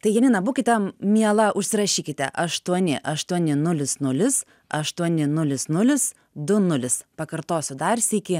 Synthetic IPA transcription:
t̪ɐɪjɛnʲɪːnɐbuːkʲɪt̪ʲɛmʲiɛlˠɐʔʊʃʲsʲɪɾɐʃʲiːkʲɪt̪ʲɛ̰ʔɐʃt̪uɔnʲɪʔɐʃt̪uɔnʲɪnʊlʲɪsnʊlʲɪs | ɐʃt̪uɔnʲɪnʊlʲɪsnʊlʲɪs | d̪ʊnʊlʲɪspɐkɐɾt̪oːsʲʊd̪ɑːɾʲsʲiːkʲɪ

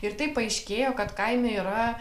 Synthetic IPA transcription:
ɪɾt̪ɐɪpːɐɐɪʃʲkʲeːjoːkɐt̪kɐɪmʲɛiːɾɐ

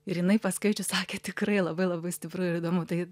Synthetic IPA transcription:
ɪɾjɪnɐɪpɐskɐɪt͡ʃʲʊsɑːkʲeːt̪ʲɪkrɐɪlˠɐbɐɪlˠɐbɐɪsʲt̪ʲɪpɾʊɪɾid̪oːmʊt̪ɐɪ

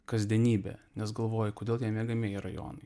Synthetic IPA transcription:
kɐzʲd̪ʲɛnʲiːbʲɛ̰ːnʲɛsɡɐlˠʋoːjɛkoːdʲeːlˠjʲɛmʲɛɡɐmʲeːjɛɾɐjo̰ːnɐɪ

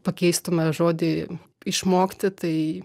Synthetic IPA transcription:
pɐkʲɛɪst̪omɐʒoːd̪ʲɪ | ɪʃmoːkt̪ʲɪt̪ɐɪ

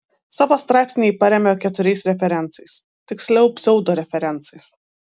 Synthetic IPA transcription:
sɑːʋoːst̪ɾɑjpʲsʲnʲejpɐɾʲɛmʲɛkʲɛt̪ʊɾʲɛɪsɾʲɛfʲɛɾʲɛnt̪sɐɪs | t̪ʲɪksʲlʲɛʊpʲsʲɛʊd̪oːɾʲɛfʲɛɾʲɛnˑt̪sɐɪs

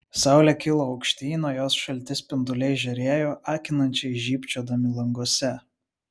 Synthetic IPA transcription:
sɑˑʊlʲɛkʲɪlˠoːɐʊkʃʲt̪ʲiːnoːjoːsʃɐlʲt̪ʲɪspʲɪnd̪ʊlʲɛɪʒʲɛɾʲeːjoːʔɑːkʲɪnɐnʲt͡ʃʲɛɪʒʲiːpʲt͡ʃʲoːd̪ɐmʲɪlˠɐŋɡoɔsʲɛ

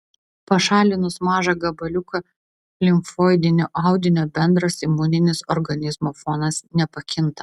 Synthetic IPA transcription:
pɐʃɑːlʲɪnʊsmɑːʒɐɡɐbɐlʲʊkɐ | lʲɪŋkfoːɪd̪ʲɪnʲoːʔɑˑʊd̪ʲɪnʲoːbʲɛnd̪ɾɐsɪmʊnʲɪnʲɪsɔɾɡɐnʲɪzmoːfoːnɐsnʲɛpɐkʲɪnt̪ɐ

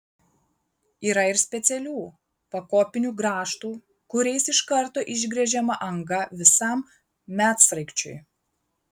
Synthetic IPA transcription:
iːɾɐɪɾsʲpʲɛt̪sʲɛlʲuː | pɐkoːpʲɪnʲuːɡɾɑːʃt̪uː | kʊɾʲɛɪsɪʃkɐɾˑt̪oːʔɪʒʲɡɾʲɛʒʲɛmɐʔɐŋɡɐʋʲɪsɐˑm | mʲæːt̪sɾɐɪkt͡ʃʲʊ̰ɪ

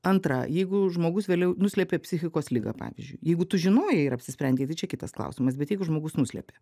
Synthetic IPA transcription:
ɐnt̪ɾɐ̰jɛɪɡʊʒmoːɡʊsʋʲeːlʲɛʊnʊsʲlʲɛpʲeːpʲsʲɪxʲɪkoːslʲɪɡɐ̰pɑ̰ːʋʲɪ̰zʲd͡ʒʲʊ̰ɪjɛɪɡʊt̪ʊʒʲɪnoːjɛɪɾɐpʲsʲɪsʲpʲɾʲɛnʲd̪ʲeːt̪ɐɪt͡ʃʲɛkʲɪt̪ɐsklˠɐ̰ʊsʲɪmɐsbʲɛt̪jɛɪɡʊʒmoːɡʊsnʊsʲlʲɛ̰pʲe

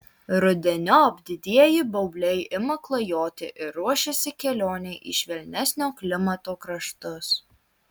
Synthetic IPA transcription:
ɾʊd̪ʲɛnʲoɐbʲd̪ʲɪd̪ʲiɛjɪbɐʊbʲlʲɛɪʔɪmɐklˠɐjoːt̪ʲɪ̰ʔɪɾːuɔʃʲɛsʲɪkʲɛlʲoːnʲɛɪʔɪ̰ʃʲʋʲɛlʲnʲɛsʲnʲoːklʲɪmɐt̪oːkɾɐʃt̪ʊs

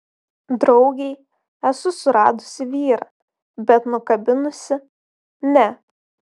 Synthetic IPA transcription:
d̪ɾɒʊɡʲɛɪ | ɛsʊsʊɾɑ̰ːd̪ʊsʲɪʋʲiːɾɑː | bʲɛt̪nʊkɐbʲɪnʊsʲɪ | nʲɛ

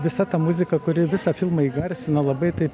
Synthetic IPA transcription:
ʋʲɪsɐt̪ɐmʊzʲɪkɐkʊɾʲɪʋʲɪsɐfʲɪlˠmɐiːɡɐrʲsʲɪnɐlˠɐbɐɪt̪ɐɪp

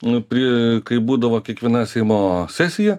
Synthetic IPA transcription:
pʲɾʲikɐɪbuːd̪ɐʋoːkʲiɛkʋʲiɛnɐsʲɛɪmoːsʲæsʲɪjɛ

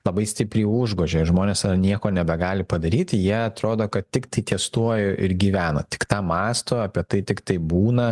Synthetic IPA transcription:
lˠɐbɐɪsʲt̪ʲɪpʲɾʲiːʊʒɡoːʒʲeːʒmoːnʲeːsɐrnʲiɛkoːnʲɛbʲɛɡɑːlʲɪpɐd̪ɐɾʲiːt̪ʲjiɛɐt̪ɾoːd̪oːkɐt̪t̪ʲɪkt̪ɐɪt̪ʲiɛst̪uɔjʊʔɪɾɡʲiːʋʲæːno̰ːt̪ʲɪ̥kt̪ɑːmɑːst̪oːɐpʲiɛt̪ɐɪt̪ʲɪkt̪ɐɪbuːnɐ

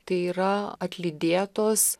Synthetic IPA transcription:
t̪ɐɪiːɾɐɐt̪ʲlʲɪd̪ʲeːt̪oːs

